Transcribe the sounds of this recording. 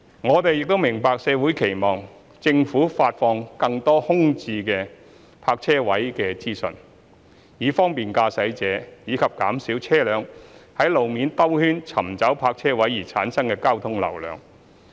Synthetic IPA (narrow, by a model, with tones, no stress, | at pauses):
ŋɔː˨˧t̪e˨jɪ˨k̚t̪o˥wmɪ˨˩ŋpaː˨˧k̚sɛː˨˧wuː˨˥jkʰe˨˩jmɔː˨˩ŋ | t͡sɪ˧ŋfuː˨˥faː˧t̚fɔː˧ŋkɐ˧ŋt̪ɔː˥hʊ˥ŋt͡siː˧kɛː˧ | pʰaː˧k̚t͡sʰɛː˥wɐ˨˥jkɛː˧t͡siː˥sɵ̰˨n | jiː˨˧fɔː˥ŋpiː˨˩nkaː˧sɐ˨˥jt͡sɛː˨˧˥jiː˨˧kʰɐ˨p̚kaː˨˥msiː˨˥wt͡sʰɛː˥lœː˨˧ŋhɐ˨˥jlo˨wmiː˨˧nt̪ɐ˥whyː˥nt͡sʰɐ˨˩mt͡sɐ˨˥wpʰaː˧k̚t͡sʰɛː˥wɐ˨˥jːiː˨˩t͡sʰaː˨˥nsɐ˥ŋkɛː˧kaː˥wt̪ʰʊ˥ŋlɐ̰˨˩wlœ̰ː˨˧ŋ